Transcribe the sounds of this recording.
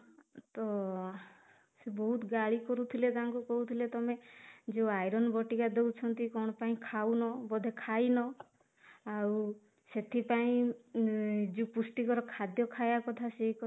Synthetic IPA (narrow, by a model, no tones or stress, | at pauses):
t̪ɔ | sebɔɦut̪ɡaɭikɔɾut̪ʰilet̪aɦãŋkukɔɦut̪ʰilet̪ɔmed͡ʒeuajɾɔnbɔʈikad̪ewt͡ʃʰɔnt̪ikɔɽ̃ɔpaĩkʰawnɔbɔd̪ʱekʰajnɔ | aw | set̪ʰipaĩ | d͡ʒepusʈikɔɾɔkʰad̪jɔkʰajakɔt̪ʰasek